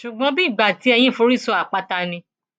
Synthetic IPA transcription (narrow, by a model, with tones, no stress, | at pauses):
ʃu˨ɡ͡bɔ̃˧˦bi˦˨ɡ͡ba˨ti˨˦ɛ˧jĩ˦fo˧˦ɾi˦˨sɔ˧a˨k͡pa˧ta˧nĩ˧